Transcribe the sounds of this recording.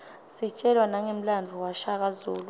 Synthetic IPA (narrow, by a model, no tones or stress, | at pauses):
sit͡ʃʼɛlwanaŋem̩land͡vʱuwaʃak̬azuːlu